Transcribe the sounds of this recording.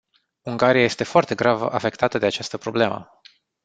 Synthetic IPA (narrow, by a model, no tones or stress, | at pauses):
uŋɡaɾijaje̞st̪e̞foart̪e̞ɡɾava̰fe̞kt̪at̪əd̪e̞at͡ʃast̪əpɾo̞ble̞mə̰